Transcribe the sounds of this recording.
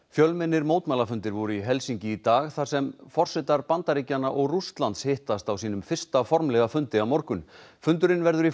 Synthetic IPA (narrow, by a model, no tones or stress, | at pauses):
fjœlmɪnːɪɾmoːwt̪maːlafʏnt̪ɪɾvɔɾʏiɦɛlsiɲcɪit̪aːɣθḁsɛmfɔr̥sɛt̪aɾpant̪aɾicanːaʔɔɣrust̪lant̪shɪht̪ast̪awsiːnʏmfɪr̥st̪afɔɾmlɛɣafʏnt̪ɪawmɔɾkʏnfʏnt̪ʏɾɪnvɛɾðʏɾi